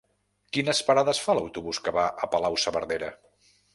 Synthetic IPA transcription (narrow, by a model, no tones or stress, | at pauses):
kinəspəɾaðəsfaləwt̪uβuskəβaʔəpəlawsəβəɾðeɾə